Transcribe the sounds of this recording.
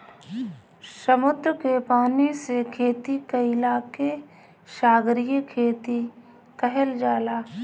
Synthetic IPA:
səmʊd̪ɾkepaːnisekʰeːt̪ikəɪlaːke | ʃaːɡɾijəkʰeːt̪i | kəɦəld͡ʒaːlaː

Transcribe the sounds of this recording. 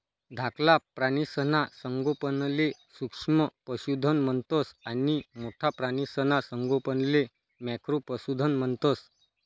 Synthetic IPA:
d̪ʱaklapɾañisənasəŋɡopənlesukʂməpəɕud̪ʱənmənt̪osanimoʈʰapɾañisənasəŋɡopənle | makɾopəsud̪ʱənmənt̪ɔs

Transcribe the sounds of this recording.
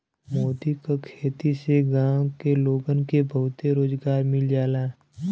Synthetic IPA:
moːd̪ikakʰeːt̪iseɡãːwkeloːɡənkebəɦʊt̪eɾoːd͡ʒɡaːɾmɪld͡ʒaːla

